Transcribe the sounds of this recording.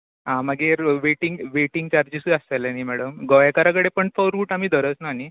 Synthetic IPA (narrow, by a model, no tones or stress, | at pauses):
ɦãməɡeɾʋeʈiŋɡʋeʈiŋɡt͡ɕaɾd͡ʑisuasalanimæɽəmɡɔjakaɾakəɽepəɳfəɾuːʈam̤iːd̪ʱəɾət͡snani